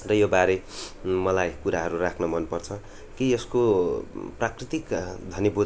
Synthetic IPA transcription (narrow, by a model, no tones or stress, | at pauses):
rʌjobaɾemʌlajkuɾaɦʌɾurakʰnʌmʌnpʌrt͡sʰʌ | kiesko | prakrit̪ikd̪ʱʌnjʌbu